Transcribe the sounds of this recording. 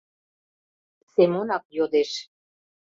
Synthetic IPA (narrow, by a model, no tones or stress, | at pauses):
semonɑk̚jod̪eʃ